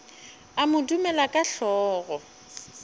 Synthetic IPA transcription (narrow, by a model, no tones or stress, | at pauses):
amʊdumɛlakʼaɬɔːɣɔ